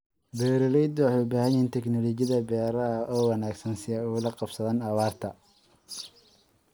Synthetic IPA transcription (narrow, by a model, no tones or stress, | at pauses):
bɛːɾɔlɛjd̪ɔħʊbaːhɐjint̪ʰɛknɔlɔt͡ʃjɐðɐbɛːɾɐɐʔɔːwɑnaːɡsɐnsɪɛʊlɐqɑb̥sɐðaːnɐβaːrt̪ʰɐ